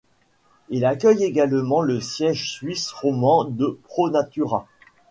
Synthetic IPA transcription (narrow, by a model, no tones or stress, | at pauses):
ilakʲœjeɡalmɑ̃ləsjɛʒsɥisʁɔmɑ̃d̪əpχonat̪yʁa